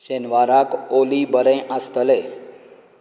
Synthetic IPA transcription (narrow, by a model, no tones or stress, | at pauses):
ɕenʋaɾakolibəɾɛ̃ʔast̪əle